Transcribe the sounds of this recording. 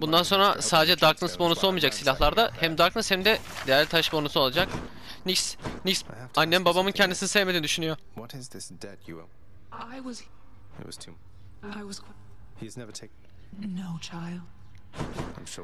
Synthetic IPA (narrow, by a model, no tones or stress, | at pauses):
bund̪anso̞nɾasaːd̪ed͡ʒɛd̪aɾk̚nɯsbo̞nusolˠmiːd͡ʒaksilʲaɦlˠaɾd̪ahɛmd̪aɾknɯshɛmd̪ɛ | d̪ejæɾlʲt̪ʰaʃbo̞nusuo̞lˠad͡ʒak | nicsnicsanːɛmbabamɯncʰɛnd̪isinisevmed̪ind̪yʃynyjo | wʌɾɪzðɪsd̥ɛd̚jṵɛ̰ | aɪwʌz | ɪ̰t̚wʌz̥tʰu | aɪwʌz̥ʰ | hiɨznɛvə˞tʰeɪkn | noʊt͡ʃʰaɪlˠd̥ | ã̰ɪ̃mʃ